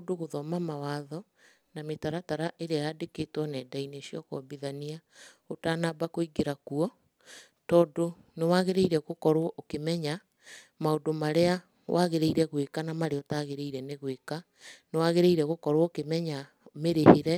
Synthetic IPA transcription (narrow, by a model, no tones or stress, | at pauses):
doɣoðɔmamawaðɔ | nametaɾataɾaʔeɾeajadekeːtwɔnɛːdaineʃiɔkɔbiðania | otanabakoiɡeɾakuɔ | tɔːdo | newaɣeɾeiɾɛɣokɔɾwɔʔokemɛɲa | maodomaɾea | wʔaɣeɾeiɾɛɣwekanamaɾeɔtaɣeɾeiɾɛneɣweka | newaɣeɾeiɾɛɣokɔɾwɔokemɛɲa | meɾeheɾɛ